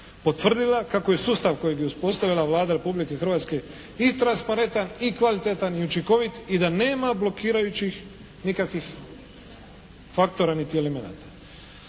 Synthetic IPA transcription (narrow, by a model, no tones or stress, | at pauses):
po̞t̪ʋr̩d̪ilakako̞jesuːst̪aʋko̞jeɡjeuspo̞st̪aʋilaʋlˠaːd̪aɾe̞publike̞xr̩ʋaːt̪ske̞ | it̪ɾanspaɾe̞nt̪anikʋalit̪et̪anjut͡ʃiko̞ʋit̪id̪ane̞ːmablo̞kiːɾajut͡ɕix | nikakʋix | fakt̪o̞ɾanit̪ielemena̰ːt̪ḁ